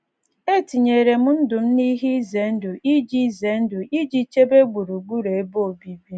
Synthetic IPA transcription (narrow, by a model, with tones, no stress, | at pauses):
e˦ti˨ɲe˨ɾe˨mʊ˦n̩˦dʊ˨m̩˦ni˦ɦi˦i˦ze˨˦n̩˦dʊ˨ʔi˦d͡ʒi˦˨ze˨˦n̩˦dʊ˨ʔi˦d͡ʒi˦t͡ʃe˦be˦ɡ͡bu˨ɾu˨ɡ͡bu˦ɾe˨e˦bo˦˨bi˦bi˦